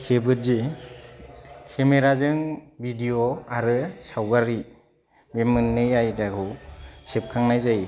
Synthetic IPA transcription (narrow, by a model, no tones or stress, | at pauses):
kʰebɯɾzi | kʰemeɾazɯŋbʱidioaɾɯsawɡaɾi | bemɯnːɯjajdakʰɯsep̚kʰaŋnajzaj